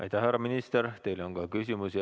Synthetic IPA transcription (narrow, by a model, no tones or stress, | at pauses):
ʔɑ̰jt̪æhæɾɑminist̪eɾt̪e̞jlo̞ŋkɑkys̬imusi